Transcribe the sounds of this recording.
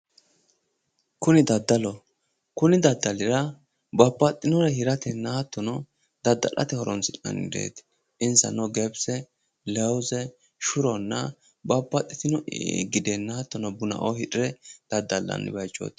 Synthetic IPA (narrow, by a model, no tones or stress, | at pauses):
kʊnɪd̪ɐd̪ːɐlɔ | kʊnɪd̪ɐd̪ːɐlɪɾɐ | bɐpːɐt̪ʼːɪnɔɾɛhɪɾɐt̪ɛnːɐhɐt̪ːɔnɔ | d̪̥ɐd̪ːɐ̰lɐ̰t̪ɛhɔɾɔnsɪtʼɐ̰nd̪ḛːt̪ | ʔɪnsɐ̰nɔɡɛbsɛ | lɛwzɛ | ʃʊɾɔnːɐ | bɐpːɐt̪ʼːɪt̪ɪnɔɡɪd̪ɛnːɐhɐt̪ːɔnɔbʊnɐ̰ʔɔhɪᶑʼɪɾɛd̪̥ɐd̪ːɐlːɐ̰nːɪ̰bɐjt͡ʃːo̰ːt̪